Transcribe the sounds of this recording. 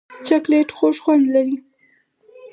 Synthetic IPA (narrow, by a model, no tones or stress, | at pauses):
t͡ʃakleʈxoʃxwand̪laɾi